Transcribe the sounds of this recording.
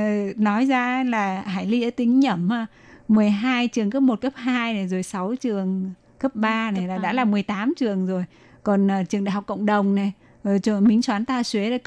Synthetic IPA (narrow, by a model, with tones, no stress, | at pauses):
nɔ˨˦jzaː˧˦laː˨˩ɦa̰ː˧˩jli˧ʔəː˧˩t̪ï˨˦ŋ̟ɲə˧˩mə˧˩ | mɨ˨˩əjɦaː˧jt͡ɕɨ˨˩əŋkəː˦˥p̚mo˨˩t̚kə˦˥p̚haː˧jna˨˩jzo˨˩jsa˨˦wt͡ɕɨ˨˩əŋ | kə˦˥p̚ɓaː˧na˨˩˨jlaː˨˩ɗa̰ː˧˥laː˨˩mɨ˨˩əjt̪aː˨˦mt͡ɕɨ˨˩əŋzo˨˩j | kɔ˨˩nʔːt͡ɕɨ˨˩ə˩ŋɗa̰˧˨jhk͡p̚kə̰˧˨wŋ͡mɗə˨˩wŋ͡mna˨˩j | t͡ɕɔ˧˨˩mï˨˦ŋ̟swaː˨˦nt̪aː˧swe˨˦a˧˩